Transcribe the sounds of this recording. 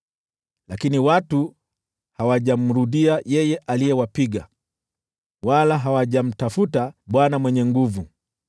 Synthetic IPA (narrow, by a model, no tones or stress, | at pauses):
lakiniwatu | hawaʄam̩ɾuɗiajɛjɛʔalijɛwapiɠa̰ | walaɦawaʄam̩tafutaɓwanamwɛɲɛŋɡuvu